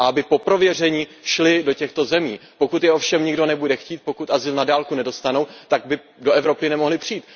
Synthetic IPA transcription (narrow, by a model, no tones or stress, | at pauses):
ʔaabɪpo̞pɾo̞vjɛrɛɲiːʃlɪdo̞cɛxt̪o̞zɛmiːpo̞kut̪jɛʔo̞fʃɛmɲɪɡdo̞nɛbudɛxciːt̪̚po̞kut̪ʔazɪlnadaːlkunɛdo̞st̪anowt̪aɡ̚bɪ | do̞ʔɛvɾo̞pɪnɛmo̞ɦlɪpr̝̥iːt̪